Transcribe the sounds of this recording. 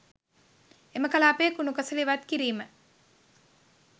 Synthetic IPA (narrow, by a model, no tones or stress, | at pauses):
eməkalaːpeːkunukəsəliʋat̪kiɾiːmə